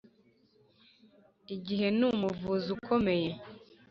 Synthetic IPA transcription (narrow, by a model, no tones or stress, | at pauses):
iɟiɦe̞numuvuzukʰomeje